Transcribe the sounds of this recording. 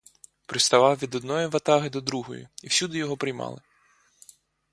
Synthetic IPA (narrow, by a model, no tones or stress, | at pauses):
pɾɪst̪ɐʋɑwʋʲid̪ɔd̪nɔjiʋɐt̪ɑɦɪd̪ɔd̪ɾuɦɔ̰jʊ̰iwsʲud̪ɪjɔɦɔpɾɪjmɑ̰lˠɪ